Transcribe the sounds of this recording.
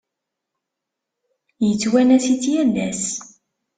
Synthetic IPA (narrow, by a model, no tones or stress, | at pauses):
jət͡sːwænæsit͡sːjælːæs